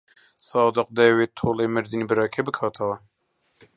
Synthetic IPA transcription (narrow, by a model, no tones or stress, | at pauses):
sɑːd̪ɨq̚d̪ɛweːt̪ʰoːleːmɨɾd̪inibɨɾɑːkʰɛbɨkʰɑːt̪ʰɐwɛ